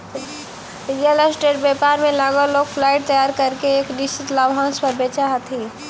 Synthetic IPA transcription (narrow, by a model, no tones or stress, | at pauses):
ɾijələsʈeːʈ̚bepaːɾmẽlaɡoloːɡfʰlaːɪʈ̚t̪əjaːɾkəɾkeeːknɪst͡ʃɪt̪laːʋɦãːnspəɾbet͡ʃaɦt̪ʰiː